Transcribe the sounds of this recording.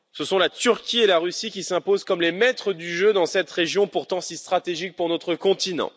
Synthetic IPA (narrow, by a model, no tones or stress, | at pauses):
səsɔ̃lat̪yʁkʲielaʁysikʲisɛ̃pozkɔmlemɛt̪χəd̪yʒød̪ɑ̃sɛt̪ʁeʒjɔ̃puʁt̪ɑ̃sist̪χat̪eʒik̚puʁnɔt̪χəkɔ̃t̪inɑ̰̃